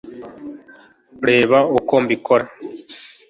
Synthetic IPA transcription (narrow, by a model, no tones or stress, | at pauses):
ɾeːβaokombikoɾa